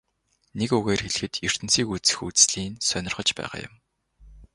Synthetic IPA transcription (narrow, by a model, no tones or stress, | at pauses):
nekuɣeːrxeɮxɘ̆t̪jɵr̥t̪ɘ̆nsiːkut͡sɘ̥̆xut͡sɮiːnsœnɪ̆rχɞ̆t͡ɕpæ̰ːʁa̰ːjʊ̰m